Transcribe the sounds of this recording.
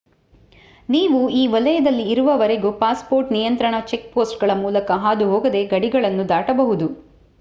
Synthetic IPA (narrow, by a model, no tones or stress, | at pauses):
niːʋuiːʋɐlɐjɐd̪ɐlːiːɾuʋɐʋɐɾeɡupaːspoːɾʈnijɐnt̪ɾɐɳɐt͡ʃe̞k̚poːsʈɡɐɭɐmuːlɐkɐɦaːd̪uɦoːɡɐd̪e̞ɡɐɽiɡɐɭɐnːud̪aːʈɐbɐɦud̪u